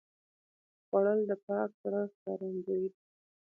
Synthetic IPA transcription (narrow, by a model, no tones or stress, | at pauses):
xwaɽəld̪əpɑksaɾaskɑɾand͡ʒawi